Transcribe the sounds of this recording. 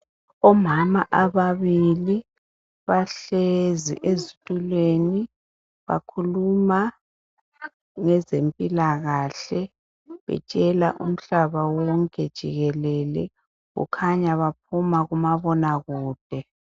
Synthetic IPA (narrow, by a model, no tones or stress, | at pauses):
ɔmamaʔaβaβili | βaɬezḭʔezitʼulweni | βa̰kʰuluma | ŋɛzempʼilaɣaɬɛ | βɛ̰t͡ʃʼɛla̰ʔṵm̩ɬaβawɔŋkʼɛd̥ʒ̥ʱiɣɛlɛlɛ | ɣṵkʰaɲaβap̚ʰumaɣumaβɔnaɣuːd̥ʱɛ